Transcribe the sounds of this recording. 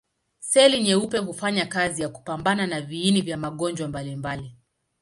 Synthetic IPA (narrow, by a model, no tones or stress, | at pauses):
sɛliɲɛupɛɦufaɲakazijaku̥pambananaviinivjamaɠɔɲd͡ʒwambalimbali